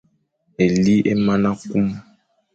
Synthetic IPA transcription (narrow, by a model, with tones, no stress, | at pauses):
e˨li˦ʔe˦ma˦na˦ku˦m˦